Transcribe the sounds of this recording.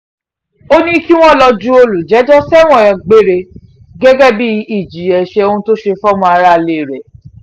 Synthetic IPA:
o˦nĩ˦ki˦w̃ɔ̃˦lɔ˧d͡ʒu˦o˧lu˨d͡ʒɛ˨˦d͡ʒɔ˦sɛ˦w̃ɔ̃˦˨jɔ̃˧˨ɡ͡be˦˨ɾe˧ | ɡɛ˦ɡɛ˦bi˦i˦˨d͡ʒi˨˦ɛ˨ʃe˧o˧ũ˦to˦ʃe˧fɔ˦mɔ̃˧˦a˧ɾa˦˧le˨ɾɛ˨

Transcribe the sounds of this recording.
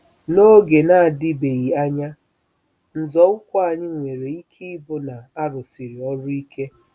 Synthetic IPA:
no˦ɡe˨na˨a˨dɪ˦be˨ɣi˨a˦ɲa˦ | n̩˨zɔ˨ʊ˦kʷɔ˦a˨ɲɪ˦ŋʷe˨ɾe˨i˦kʰi˦bʊ˦na˨a˦ɾʊ˨si˨ɾi˨ɔ˦ɾʊ˦i˦ke˦

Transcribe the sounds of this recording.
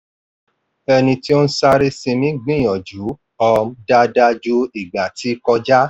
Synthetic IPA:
ɛ˧nĩ˧ti˦o˦n̩˦sa˦ɾe˦sĩ˧mĩ˦ɡ͡bĩ˦˨j̃ɔ̃˨d͡ʒu˨˦ | ɔ˧m˦da˦da˧˦d͡ʒu˦i˨ɡ͡ba˨ti˨˦kɔ˧d͡ʒa˦

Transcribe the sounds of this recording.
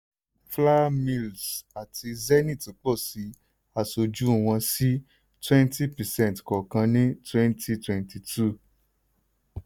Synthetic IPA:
fla˦mĩ˧˨lsa˨tʰi˧zɛ˦nĩ˦˨tĩ˨k͡pɔ˦˨si˨˦ | a˦˨so˧d͡ʒu˦˨w̃ɔ̃˧si˦ | twɛ̃˦nti˦pɛ˨sɛ̃˦˨tkɔ˨kã˧nĩ˦twɛ̃˦nti˦twɛ̃˨nti˨tʰu˦˨

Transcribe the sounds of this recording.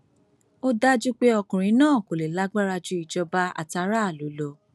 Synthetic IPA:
o˦da˦d͡ʒu˦k͡pe˦ɔ˧kũ˨ɾ̃ĩ˨˦nãː˦˨ko˨le˨la˦ɡ͡ba˦ɾa˧d͡ʒu˦i˨d͡ʒɔ˧ba˦a̰˨ta˧˦ɾa˦a˦˨lo˨˦lo˧

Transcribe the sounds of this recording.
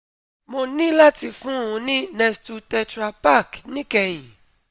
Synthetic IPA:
mo˧nĩ˦la˦ti˧fũ˦ũ˨˧˦nĩ˦nɛ˧stu˧tɛ˧tɾa˧pa˦˨knĩ˦kɛ˧˨j̃ĩ˨

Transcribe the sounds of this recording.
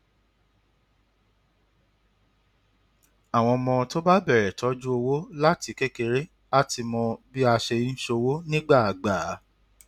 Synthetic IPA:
a˨w̃ɔ̃˧mɔ̃˧to˦ba˦bɛ˦˨ɾɛ˨tɔ˨˦d͡ʒu˦o˧wo˦la˦ti˨˧˦ke˦ke˧ɾe˦ | a˦ti˧mɔ̃˧bi˦a˧ʃe˧i˦n̩˦ʃo˧wo˦nĩ˦ɡ͡ba˦˨a˨ɡ͡ba˨˦

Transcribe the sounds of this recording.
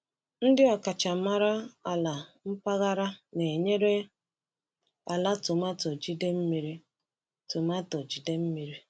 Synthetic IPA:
n̩˦dɪ˦ɔ˨ka˨t͡ʃa˨ma˦ɾa˦a˨la˨m̩˦pa˦ɣa˦ɾa˦ne˨ɲe˦ɾe˦ | a̰˨la˦tʊ˨ma˦tɔ˨d͡ʒi˦de˦m̩˦mi˦ɾi˦ | tʊ˨ma˦tɔ˨d͡ʒi˨de˦m̩˦mi˨ɾi˦

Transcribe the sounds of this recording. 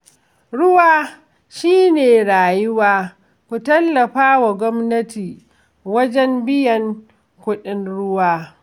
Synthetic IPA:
ɽʊ˦waː˦ | ʃiː˦neː˨ɽaː˨jʊ˦waː˦ | kʷu˨tɐ˦lːɐ˨ɸaː˦wa˨ɡʷɔ˦mnɐ˦tiː˨ | wɐ˦d͡ʒɛ˦mbɪ˦jɐ˨ŋ | kʷʊ˦ɗɪ˦nɽʊ˦waː˦

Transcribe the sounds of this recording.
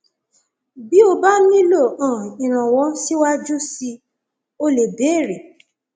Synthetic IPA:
bi˦o˧ba˦nĩ˦lo˦˨ã˨i˨ɾ̃ã˨wɔ̃˨˦si˦wa˦d͡ʒu˦si˧ | o˧le˨be˨˦˨ɾe˨

